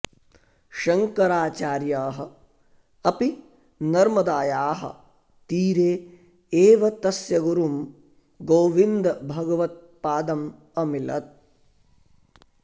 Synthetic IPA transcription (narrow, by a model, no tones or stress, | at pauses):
ʃɐŋkɐɾaːt͡ʃaːɾjaːɦɐ̆ | ɐpi | nɐɾmɐd̪aːjaːɦɐ̰ | t̪iːɾeː | eːʋɐt̪ɐsjɐɡuɾum | ɡoːʋind̪ɐbʱɐɡɐʋɐt̪̚ | paːd̪ɐm | ɐmilɐ̰t̪̚